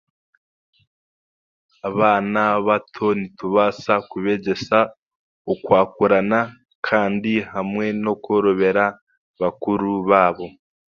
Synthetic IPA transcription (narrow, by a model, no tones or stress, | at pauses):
aβaːnaβatʰo̞nituβasakuβe̞ɟe̞sa | okwaːkuɾana | kʰaːndihamŋe̞no̞ko̞ɾoβe̞ɾa | βakuɾuβaːβo̞